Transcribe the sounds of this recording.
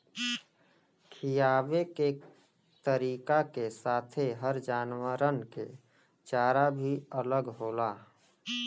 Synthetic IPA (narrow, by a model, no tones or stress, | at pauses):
kʰijaːʋeke | t̪əɾiːkakesaːt̪ʰeɦəɾd͡ʒaːnwaɾənke | t͡ʃaːɾabʱiələɡɦoːlaː